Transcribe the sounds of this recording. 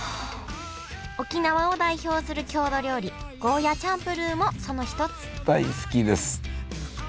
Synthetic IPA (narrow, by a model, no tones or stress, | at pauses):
o̞kʲinaβao̞d̪aiço̞ːsɨɾɯ̟kʲo̞ːd̪o̞ɾʲjo̞ːɾʲi | ɡ̥o̞ːjat͡ɕãmpɯ̟ɾɯːmo̞so̞no̞çi̥t̪o̞t͡sɨ̥d̪̥aisɨ̥kʲid̪e̞sɨ̥